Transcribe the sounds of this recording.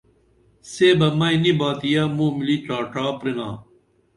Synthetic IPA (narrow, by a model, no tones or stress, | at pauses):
seːbɐmɐinibaːt̪ijaːmũːmilit͡ɕaːʈaːpɾiŋa̰ː